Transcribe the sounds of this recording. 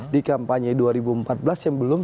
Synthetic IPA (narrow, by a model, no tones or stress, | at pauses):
dikampaɲɛduaɾibuəmpat̪̚bəlasjaŋbəlʊm